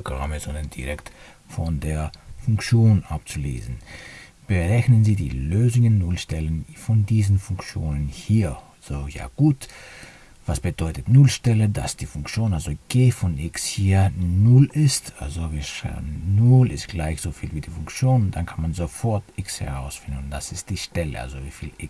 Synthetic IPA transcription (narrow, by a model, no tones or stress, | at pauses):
ɡ̥ʁa̰məz̥ɔndɐnd̥iʁɛkt | fɔndeːɐfʊŋkt͡sjoːnʔap̚t͡sulḛːzn̩ | b̥əʁɛçnənziːdḭːløːzʊŋənːʊlʃtɛlənfɔndiːzn̩fʊŋkt͡sjoːnənhiːɐalz̥oja̰ːɡ̥uːt | v̥asb̥ədɔʏtətnʊlʃtɛlədasd̥iːfʊŋkt͡sjoːnalzoɡ̥eːfɔnʔɪkshiːɐnʊlɪstʔa̰lzoviʃa̰nʊlɪst̚ɡ̥laɪçz̥ofiːlviːdiːfʊŋkt͡sjoːnʊnt̚d̥ankʰanmanzofɔɐtʔɪkshɛ̰ʁaʊsfɪndn̩d̥asɪst̚d̥iːʃtɛlə̰ʔa̰lzoviːfiːlʔɪ